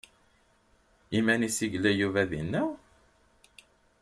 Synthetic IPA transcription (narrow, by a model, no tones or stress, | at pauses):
imænisiʝlæjuvæðinːæ